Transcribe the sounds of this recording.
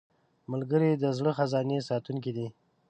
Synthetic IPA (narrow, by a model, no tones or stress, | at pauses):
malɡəɾed̪əzɽəxazɑnesɑt̪unkid̪i